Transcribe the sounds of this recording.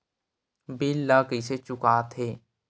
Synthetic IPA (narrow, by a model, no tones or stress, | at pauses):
biːlːaːkiset͡ʃʊkaːt̪ʰɦeː